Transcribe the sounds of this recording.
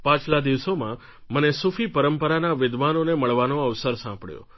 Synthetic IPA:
pãt͡ʃlad̪iʋsomã | mənesufʰipəɾəmpəɾanaʋɪd̪ʱʋanoneməɭʋanoəʋsəɾsãmpɽjõ̰

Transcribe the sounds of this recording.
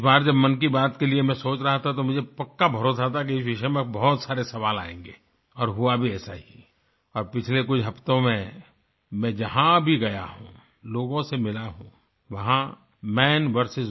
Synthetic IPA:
ɪsbaːɾd͡ʒɐbmɐnk̬ibaːt̪keliemɛ̃soːt͡ʃɾɐɦat̪ʰat̪omʊd͡ʒʱepɐkːabʱɐɾoːs̬at̪ʰak̬iɪsʋɪʃəemẽbɐɦʊt̪saːɾesɐʋaːla̰ːḛ̃ːŋɡeː | ɔːɾɦʊabʱiɛːsaɦi | ɔːɾpɪt͡ʃʰlekʊt͡ʃʰɦɐpt̪õmẽ | mɛ̃d͡ʒɐɦãbʱiɡɐja̰ɦṵ̃ | loːɡõsemɪlaɦṵ̃ː | ʋɐɦã | mɛːnʋɐɾsɪz

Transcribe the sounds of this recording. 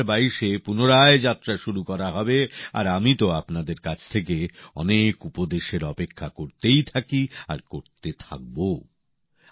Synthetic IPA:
ɾbaiʃepunoɾaed͡ʑat̪ːɾaʃuɾukɔɾaɦɔbea̰ɾamit̪oapnad̪eɾkat͡ɕʰt̪ʰek̬eɔ̰nekupod̪eʃeɾɔpekʰːakoɾt̪ejt̪ʰakia̰ɾkoɾt̪et̪ʰa̰k̚bo

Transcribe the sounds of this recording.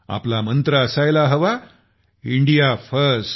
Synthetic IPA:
a̰plamənt̪ɾəəsajlaɦəʋa | iɳɖijafəɾs

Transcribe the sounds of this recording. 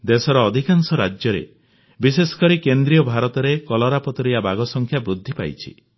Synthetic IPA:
d̪esɔɾɔːd̪ʱikansɔɾad͡ʒjɔɾḛ | bisesɔ̥kɔɾikend̪ɾijɔbʱaɾɔt̪ɔɾekɔlɔɾapɔt̪ɔɾiabaɡɔsɔŋkʰjabɾud̪ʱːipa̰jt͡ʃʰḭ

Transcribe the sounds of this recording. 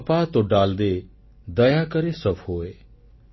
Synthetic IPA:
paːt̪oɖaːld̪e | d̪əjakəɾesəbhoːe

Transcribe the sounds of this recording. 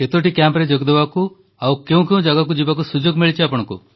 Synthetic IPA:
ket̪oʈikjampɾed͡ʒoɡd̪ebaku | awkeũkẽũd͡ʒaɡak̬ud͡ʒibakusud͡ʒoɡmiɭit͡ʃʰiapɔɽ̃ɔ̃ŋkṵ

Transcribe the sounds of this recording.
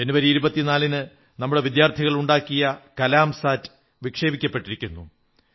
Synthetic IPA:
d͡ʑenːuʋɐɾiiɾubɐt̪ːinaːlinɨ | nɐmːuɽe̞ʋid̪jaːrt̪ʰiɣɐɭuɳɖaːkːijɐkɐlaːmsaːtːɨ̥ | ʋikʂe̞ːbikʲːɐpːe̞ʈːiɾikʲːunːu

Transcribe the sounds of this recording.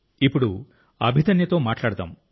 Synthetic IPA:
ipuɽu | ɐ̰bʱid̪ɐnjɐt̪oːmaːʈlaɽut̪a̰m

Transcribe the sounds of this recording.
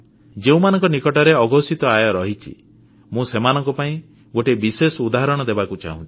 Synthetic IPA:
d͡ʒeũmanɔ̃ŋkɔnikɔʈɔɾeɔɡɔsit̪ɔajɔɾɔɦit͡ʃʰḭ | mũsemanɔŋkɔpaĩ | ɡoʈebisesɔud̪aɦɔɾɔɽ̃ɔd̪ebakut͡ʃa̰ɦũt͡ʃʰi̥

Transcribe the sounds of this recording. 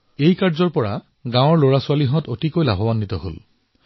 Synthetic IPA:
ejkaɹzɔɹpɔɹa̰ | ɡãw̃ɔɹloɹasʊaliɦɔtotikojla̰bʱɔbanːitɔɦo̰l

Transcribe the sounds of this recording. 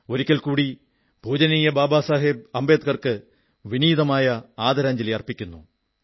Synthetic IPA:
o̞ɾikʲːɐlkuːɽi | b̥ʱuːd͡ʑɐniːjɐbaːbaːsaːɦib̚ɐmbeːt̪̚kɐrkɨ | ʋiniːðɐmaːjɐaːd̪ɐɾaːɲd͡ʑɐlejɐrpikʲːunːṵ

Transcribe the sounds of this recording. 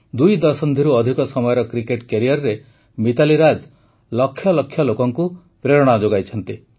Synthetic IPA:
d̪ujd̪ɔsɔnd̪ʱiɾuɔd̪ʱikɔsɔmɔjɔɾɔkɾikeʈkeɾijɔɾɾe | mit̪aliɾad͡ʒ | lɔkʰːjɔlɔkʰːjɔlokɔŋku | pɾeɾɔɽ̃ad͡ʒoɡajt͡ʃʰɔnt̪i

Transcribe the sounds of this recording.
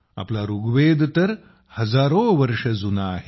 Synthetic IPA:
a̰plaɾuɡʋed̪t̪əɾ | həd͡zaɾoʋəɾʂəd͡zunaːɦe

